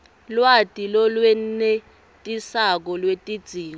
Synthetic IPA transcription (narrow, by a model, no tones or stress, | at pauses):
lwatʼilɔlwɛne | tʼisak̬ɔlwetʼid̥z̥ʱiːŋ